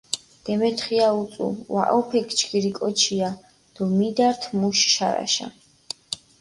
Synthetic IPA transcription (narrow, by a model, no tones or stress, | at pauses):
d̪̥ɛmɛt̪ʰχiaut̪sʼṵwa̰ʔɔpʰɛkʰt͡ʃʰɡiɾikʼɔt͡ʃʰia | d̪̥ɔmid̪aɾt̪ʰmuʃʃa̰ɾa̰ʃa̰